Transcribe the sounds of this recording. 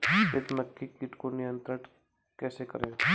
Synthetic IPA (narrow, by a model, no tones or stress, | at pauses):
et̪məkʰːikiʈkonɪjə̃nt̪ɾəʈ | kɛːsekəɾẽː